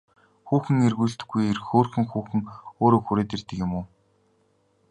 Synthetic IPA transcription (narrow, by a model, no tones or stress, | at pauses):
xuːxɘ̆ŋerɣuːɮt̪ɘ̆ɡːujerxoːrxɘ̆ŋxuːxɘ̆ŋoːɾoːxuɾeːt̪ert̪ɘ̆kjʊmuː